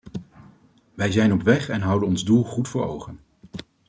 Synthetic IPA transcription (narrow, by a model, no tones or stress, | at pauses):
ʋɛjzɛjnɔpʋɛχɛnɦʌwdənɔnzdulˠχutfʊːɹo̰wχən